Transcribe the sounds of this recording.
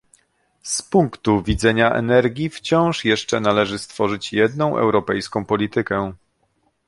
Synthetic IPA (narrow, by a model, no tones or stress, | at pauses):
spuŋkt̪uvʲid̪zɛɲaʔɛ̰nɛɾɡʲift͡ɕɔ̃w̃ʂjɛʂt͡ʂɛnalɛʐɘst̪fɔʐɘt͡ɕjɛd̪nɔ̃w̃ʔɛ̰wɾɔpɛjskɔ̃w̃pɔlʲit̪ɘkɛ